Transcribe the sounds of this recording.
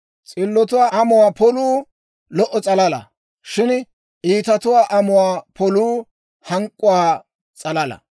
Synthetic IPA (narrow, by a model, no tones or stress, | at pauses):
t͡sʼɪlːɔt̪ʊwaːʔɐmʊwaːpɔluː | lɔʔɔt͡sʼɐlɐlɐ̰ | ʃɪn | ʔiːt̪ɐt̪ʊwaːʔɐmʊwaːpʰɔluː | hɐŋkʼːʊwaː | t͡sʼɐlɐlɐ̰